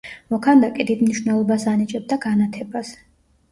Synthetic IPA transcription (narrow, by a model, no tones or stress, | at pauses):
mɔkʰand̪akʼid̪id̪mniʃvnɛlˠɔbasanit͡ʃʼɛb̚d̪aɡanat̪ʰɛbas